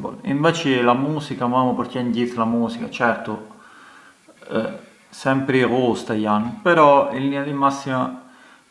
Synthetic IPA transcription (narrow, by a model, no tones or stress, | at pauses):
bo̰lḭɱvɛːt͡ʃelamuːsikamamopoɾc̪ːɛɲɟ̪it̪ːlamuːsikat͡ʃɛɾt̪o | sɛmpɾeɣost̪ajanːpɛɾɔilːinad̪imasːima